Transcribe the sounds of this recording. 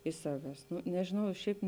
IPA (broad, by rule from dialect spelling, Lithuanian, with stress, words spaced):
ɪʃ ˈsɑːʋʲɛs ˈnʊ nʲɛʒʲɪˈnɐʊ ɪ ˈʃʲɛɪp